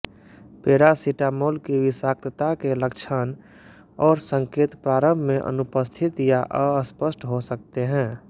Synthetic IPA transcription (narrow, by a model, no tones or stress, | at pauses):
peːɾasiʈamoːlkiʋɪsaːkt̪ət̪akeləkt͡ʃʰən | ɔːɾsə̃ŋkeːt̪pɾaːɾə̃mbʱmẽʔə̰nʊpəst̪ʰɪt̪jaʔəəspəsʈɦosək̚t̪eɦɛ̃ː